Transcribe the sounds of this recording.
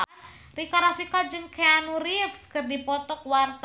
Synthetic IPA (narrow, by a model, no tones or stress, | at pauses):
rikaɾafikad͡ʒənkʰeanuɾifskərdipɔt̪ɔk̚wart̪